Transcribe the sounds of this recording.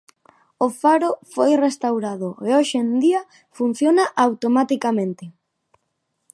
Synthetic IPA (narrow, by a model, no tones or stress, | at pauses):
ofaɾofojrest̪awɾaðoeoʃend̪iɐ | fun̟θjonaʔawt̪omat̪ikamẽnt̪ɪ